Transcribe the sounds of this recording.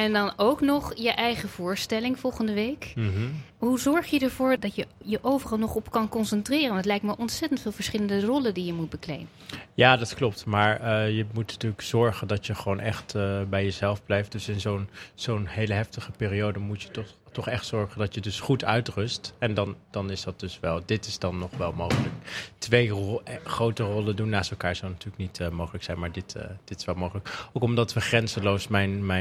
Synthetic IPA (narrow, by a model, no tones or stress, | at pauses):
ɛndɑnowknɔχjəʔɛjχəv̥ʊːɹstɛlɪŋv̥ɔlˠχəndəʋejk | ɦuzɔɹχjədəɹv̥ʊːɹdɑtjəjəʔowvərɑlˠnɔχɔpkɑnkɔnsɛntrɪːrənntlɛjk̚tməʔɔntsɛtəntfɪːlˠvəɹsχɪləndərɔləndijəmut̚bəklḛjmənjaːdɑtklɔp̚tmaːɹəjəmutnatyːləkz̥ɔɹχəndɑtjəχəʋownʔɛχtːbɛjəzɛlˠvblɛjft̚d̥ɵsɪnzownz̥ownɦejləɦɛftəχəpɪːriowdəmutjətɔtɔχɛχtsɔɹχəndɑtjədɵsχutœɥtrʏstɛndɑnd̥ɑnɪsdɑt̚d̥ɵsʋɛlˠdɪtɪsdɑnːɔχʋɛlˠmowχələk̚tʋejχrowtərɔlˠəndunːaːstɛlˠkaːɹzəwnatyːɹləknitəmowχələksɛjnmaːɹdɪtːd̥ɪtɪ̥sʋɛlˠmowχələkowkɔmdɑtʋəχrɛnzəlowsmɛjnmɛ